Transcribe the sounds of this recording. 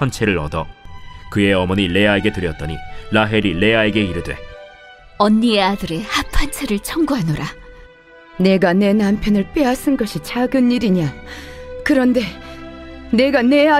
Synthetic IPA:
ant͡ɕʰe̞ɾɯɾʌ̰dʌkɯe̞ʌmʌɲile̞ae̞ɡe̞tɯɾjʌt̚t͈ʌɲilaɦe̞ɾile̞ae̞ɡe̞iɾɯdwe̞̰ | ʌnːieadɯɾe̞hapʰant͡ɕʰeɾɯɭt͡ɕʰʌŋɡuɦanoɾa | ne̞ɡane̞nampʰjʌnɯɭp͈easʰɯnɡʌɕʰit͡ɕaɡɯnːiɾiɲa | kɯɾʌnde̞ | ne̞ɡane̞a

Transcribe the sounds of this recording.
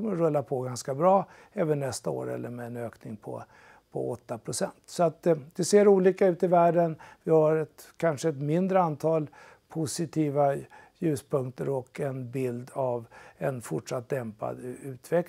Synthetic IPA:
ɔməɾɵlːapʰɔɡanskabɾɑː | ɛːvənnɛst̪ao̰ːɾɛ̰lːəɾmɛːnøːknɪŋpʰɔ̰ | pʰɔ̰ɔt̪ːapʰɾʊsɛ̰nt̪sɔat̪d̪ɛseːɾuːliːkaʉ̟ːt̪ɪvæːɖənvɪhaɾɛt̪kʰanʂəɛt̪mɪnd̪ɾəant̪ʰɑːl | pʰʊsɪt̪ʰiːva | jʉ̟ːspʰɵŋkt̪əɾɔkɛnbɪld̪avɛnfʊʈʂat̪̚d̪ɛmpa̰d̪ʉ̟ːt̪ʰvɛk

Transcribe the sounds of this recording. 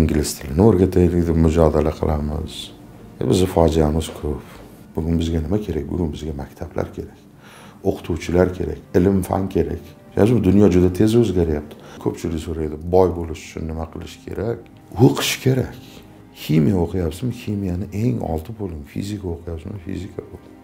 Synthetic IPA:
iŋɡʲlɪst̪ʰɪlɪnoɾɡʲat̪ʰajlɪɡʲd̪ɪmʊd͡ʒɒd̪alaqʰɨ̰lˠʔamɪ̰z̥̰ | bɪzɪfɒd͡ʒijamɪz̥kʰɵp | b̥ʊɡʲʊnbɪzɡʲanɪmakʲʰe̞ɾak̚ʲbʊ̰ɡʲʊnbɪzɡʲamakʲt̪ʰabla̰ɾkʲʰe̞ɾakʲ | oqʰʊ̥t̪ʰuwt͡ʃʰɪlaɾkʲʰe̞ɾa̰kʲɪlɪmfa̰nkʲʰe̞ɾa̰kʲ | a̰ʃmɪd̪ʊnjɒd͡ʒʊd̪at̪ʰe̞zɵzɡʲaɾjap̚t̪ʰɪ̥kʰɵpt͡ʃʰɪlɪkʲsoɾajd̪ɪbɒjbolɪʃʊ̥t͡ʃʰʊ̰nːɪmaqʰɨlˠɪʃɪ̥kʲʰe̞̰ɾakʲ | oqʰɨ̥ʃkʲʰe̞ɾakʲ | ximijaoqʰɨjapsmɪximijanɪʔe̞ŋɒ̰lˠt̪ʰɪbolˠd̪ɪŋfḭzɪkʰaoqʰɨjapsɪmɪfḭzɪkʰabolˠd̪ɪŋ

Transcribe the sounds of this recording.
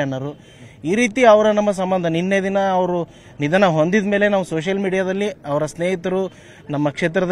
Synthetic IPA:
ɐnːɐɾu | iːɾiːt̪iɐʋɐɾɐnɐmːɐs̬ɐmbɐnd̪ʱɐninːed̪inɐːʋɐɾu | nid̪ʱɐnɐɦo̞nd̪id̪me̞ːle̞naːʋusoːʃ̬ɐlmiːɽijaːd̪ɐlːiɐʋɐɾɐsneːɦit̪ɐɾu | nɐmːɐkʂeːt̪̬ɾɐd̪

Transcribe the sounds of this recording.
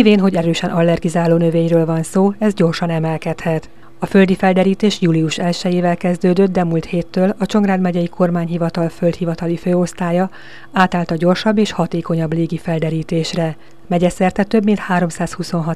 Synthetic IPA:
iveːnɦo̞ɟɛɾøːʃɛnʔɒlːɛrɡizaːloːnøveːɲrøːlvɒnsoːɛzɟo̞rʃɒnɛmɛlkɛt̪hɛt̪ | ɒfø̞ld̪ifɛld̪ɛɾiːt̪eːʃjuːliuʃɛlʃɛjeːvɛlkɛzd̪øːd̪ø̞t̪̚d̪ɛmult̪heːt̪ːøːlɒt͡ʃo̞ŋɡraːd̪mɛɟɛjikʰo̞rmaːɲɦivɒt̪ɒlfø̞lt̪hivɒt̪ɒliføːo̞st̪aːjɒ | aːt̪aːlt̪ɒɟo̞rʃɒbːeːʃhɒt̪eːko̞ɲɒbleːɡifɛld̪ɛɾiːt̪eːʃrɛ | mɛɟɛsɛrt̪ɛt̪ø̞bmint̪haːɾo̞msaːshuso̞nɦɒt̪

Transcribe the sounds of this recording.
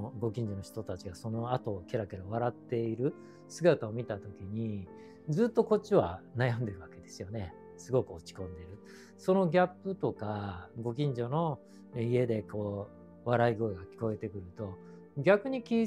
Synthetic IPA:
ɡo̞kʲĩɲ̟d͡ʑo̞no̞çʲi̥t̪o̞t̪at͡ɕiɡaso̞no̞at̪o̞ːkʲe̞ɾakʲe̞ɾaβ̞aɾat̪ːe̞iɾɯ̟ | sɨɡat̪aomʲit̪at̪o̞kʲiɲ̟i | d͡zɨːt̪ːo̞ko̞t͡ɕiβanajãnd̪e̞ɾɯ̟βake̞d̪e̞sɨjo̞ne̞ | sɨɡo̞kɯ̟ot͡ɕi̥kõ̞nd̪e̞ɾɯ̟ | so̞no̞ɡʲapːɯ̟t̪o̞kaɡo̞k̬ʲĩɲ̟d͡ʑo̞no̞ | ie̞d̪e̞ko̞ː | βaɾaiɡo̞ɡakʲi̥ko̞e̞t̪e̞kɯ̟ɾɯ̟t̪o̞ | ɡʲakɯ̟ɲ̟ikʲi

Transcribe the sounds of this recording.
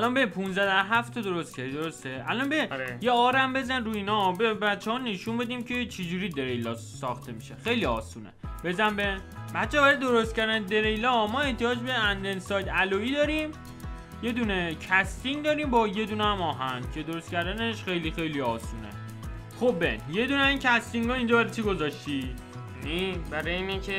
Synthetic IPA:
ælɒnbeipʰũnzæd̪æɾɦæft̪ʰɒd̪o̞ɾo̞st̪cʰeid̪o̞ɾost̪eʔælɒnbejeɒːɾæmbe̞zænɾuːinɒbebæt̪t͡ʃʰːehɒne̞ʃunbe̞d̪iːmcʰe̞t͡ʃʰed͡ʒuːɾiːd̪e̞ɾejlɒː | sɒ̰ːxt̪ʰe̞miʃexe̞jliɒːsuːnḛbe̞zænbebæt̪t͡ʃʰːeɒːbæɾid̪o̞ɾost̪kcʰæɾd̪æned̪e̞ɾejlɒmɒːe̞ht̪ijɒːd͡ʒbe̞ænd̪elsɒːjd̪æloiːd̪ɒːɾim | je̞d̪unecʰæst̪iŋd̪ɒːɾiːmbɒje̞d̪unæmɒːɦænd̪̥cʰe̞d̪o̞ɾost̪cʰæɾd̪æneʃxejlixe̞jliɒːsuːnḛ | xobbenje̞d̪uːneincʰæst̪iŋɡɒːiːnd͡ʒɒːbæɾet͡ʃʰiɡo̞zɒʃt̪i | nibæɾɒjeiːnecʰe

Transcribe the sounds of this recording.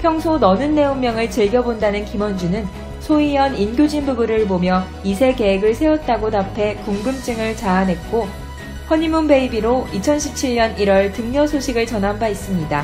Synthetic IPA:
pʰjʌŋsʰonʌnɯnːe̞uŋmːjʌŋɯɭt͡ɕɯɭɡjʌbondanɯnkimʌnd͡ʑunɯn | sʰoijʌninɡjod͡ʑinbubuɾɯɭbomjʌ | isʰe̞ke̞ɦeɡɯɭsʰe̞wʌt̚t͈aɡotapʰe̞kuŋɡɯmt͡ɕ͈ɯŋɯɭt͡ɕaːnɦe̞t̚k͈o | ɸwʌɲimunbe̞ibiɾoit͡ɕʰʌnɕʰip̚t͡ɕʰiɭɲʌniɾwʌɭtɯŋɲʌsʰoɕʰiɡɯɭt͡ɕʌnɦanbais͈ɯmɲida

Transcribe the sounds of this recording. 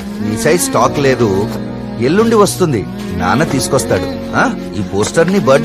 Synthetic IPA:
nit͡ʃɐjsʈaːkle̞ːd̪u | eɭːuɳɖiʋɐst̪und̪ḭ | na̰ːnɐt̪iːsu̥kɔst̪aːɽu | ɦaː | iːpoːsʈɐɾnibɐɾɖ

